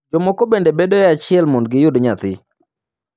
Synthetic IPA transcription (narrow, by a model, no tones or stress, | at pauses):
d͡ʒɔmɔkɔbendebedɔjɛat͡ʃɪɛlmondɡɪjʊdɲat̪ɪ